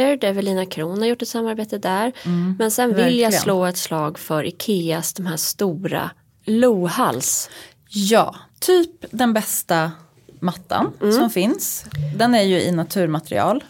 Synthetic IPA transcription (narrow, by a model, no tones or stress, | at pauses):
əɖɛvɛliːnakʰɾuːnhaɾjʊʈːɛt̪samːaɾbeːt̪əd̪æːɾmɛnsɛnvɪljasloːɛt̪slɑːɡfœɾʔɪkʰeːasd̪ɔmɦæːst̪uːɾa̰ | luːhals | jɑ̰ːt̪ʰyːpd̪ɛnbɛst̪a | mat̪ʰːa̰nsɔmfɪnsd̪ɛnæɾjɵɪnat̪ʰʉ̟ːɾmat̪ɾɪ̰ɑ̰ːl